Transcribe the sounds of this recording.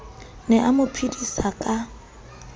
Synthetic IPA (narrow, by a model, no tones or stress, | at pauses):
nɛʔamʊpʰidisakʼa